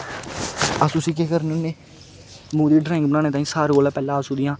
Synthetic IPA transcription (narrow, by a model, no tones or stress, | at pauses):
asʊsiːkeːkəɾneoneː | mũːd̪iːɖɾaːɪ̃ŋɡ̚bənãːneːt̪aːĩːsaːɾoːlãːpɛːlãːsũːd̪ɪjãː